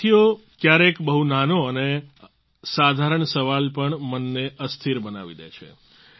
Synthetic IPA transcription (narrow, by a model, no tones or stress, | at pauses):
ijo | kjaɾekbəɦunanoəne | sad̪ʱaɾəɳsəʋalpəɳmənːeəst̪ʰiɾbəna̰ʋḭd̪ḛt͡ʃʰḛ